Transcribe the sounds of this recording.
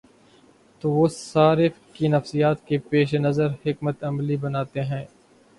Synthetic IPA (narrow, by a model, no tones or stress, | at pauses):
t̪oːʋoːsaːɾɪfkinɐfsijaːt̪kepeːʃenɐzəɾhɪkmət̪ɐmlibɐnaːt̪eɦɛ̃ː